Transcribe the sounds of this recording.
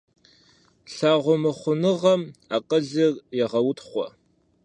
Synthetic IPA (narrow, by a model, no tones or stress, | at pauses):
ɬaːʁʷʊmɨχʷʊnɨʁɐmaːqʼəɮɨrjɛʁɐwʊtχʷɔ̰